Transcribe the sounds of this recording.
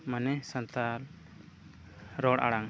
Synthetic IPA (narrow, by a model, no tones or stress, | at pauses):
manɛsant̪al | ɾɔɽa̰ɽaŋ